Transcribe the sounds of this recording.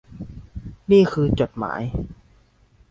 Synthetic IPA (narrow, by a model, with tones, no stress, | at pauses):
niː˥˩kʰɯː˧t͡ɕo˨˩t̪̚ma̰ː˩˦j